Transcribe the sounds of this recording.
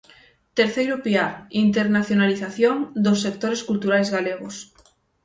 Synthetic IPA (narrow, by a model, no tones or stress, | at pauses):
t̪eɾθejɾʊpiaint̪eɾnaθjonaliθaθjoŋd̪osːek̚t̪oɾeskult̪uɾajzɣaleɣos